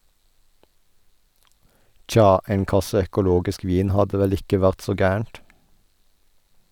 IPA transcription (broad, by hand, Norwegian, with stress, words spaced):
ˈt͡ʃɑː ˈeːŋ ˈkɑsə œkʊˈloːɡɪsk ˈʋiːn ˈhɑdə ˈʋɛl ˈɪkə ˈʋæʁt ˈsoː ˈɡæːəɳt